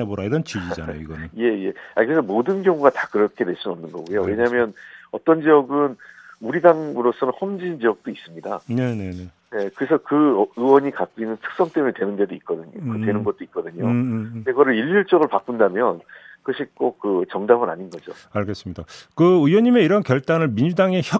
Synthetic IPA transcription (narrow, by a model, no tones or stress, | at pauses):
eboɾaiɾʌnt͡ɕid͡ʑid͡ʑanajo̰iɡʌnnje̞je̞a̰kɯɾe̞s̬ʰʌmodɯnɡjʌŋuɡatakɯɾʌkʰe̞dwe̞ɭs͈unɯnʌmnɯnɡʌ̰ɡujowe̞ɲaɦmjʌnʌt͈ʌnd͡ʑiʌɡɯnmuɾidaŋɯɾosʰʌnɯnhʌmd͡ʑid͡ʑind͡ʑijʌk̚t͈ois͈ɯmɲidanenene | ne̞kɯɾesʰʌkɯɯwʌɲikat̚k͈inːɯntʰɯ̥k̚s͈ʌŋt͈emuɲetwenɯnde̞doik̚k͈ʌdɯɲotwe̞nɯnɡʌt̚t͈oit̚k͈ʌdɯɲodeɡʌɾɯɭiʎːuɭt͡ɕ͈ʌɡɯɭpak͈undamjʌnkɯʌɕʰik͈ok̚k͈ɯt͡ɕʌŋdamɯna̰ɲinɡʌd͡ʑo̰ | aɭɡe̞s͈ɯmɲidakɯujʌɲime̞iɾʌnkjʌɭt͈anɯɭminɲd͡ʑudaŋe̞çjʌ